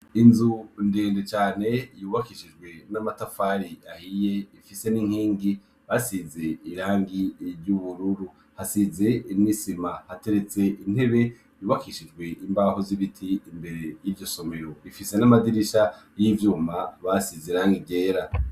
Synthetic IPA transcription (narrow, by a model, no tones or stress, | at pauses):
inzundeːndet͡ʃaːne̞juːβakiʃid͡ʒɡwe̞namatafaɾiahije̞ifise̞niŋ̥hiːŋɡi | βasize̞iɾaːŋɡiɾɟuβuɾuɾu | hasize̞nisimahate̞ɾe̞t͡se̞ʔin̥e̞βe̞ | juːβakiʃid͡ʒɡwe̞ʔimbahoziβitʰiːmbe̞ɾe̞jivjo̞so̞me̞ɾoβifise̞namadiɾiʃajivjuːmaβasiziɾaːŋɡiɟe̞ːɾa